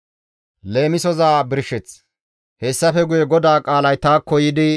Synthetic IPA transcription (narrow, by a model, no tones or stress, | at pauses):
le̞ːmɪsɔzaːbɪɾʃːɛt͡s | hɛsːɐfɛɡʊjɛɡɔd̪aːkʼaːlɐjt̪aːkɔjɪd̪ɪ